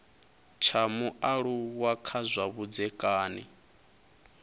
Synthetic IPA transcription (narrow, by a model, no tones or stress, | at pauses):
t͡ʃʰamuʔaɺuwakʰazʷaβud͡zɛkʼaːnḭ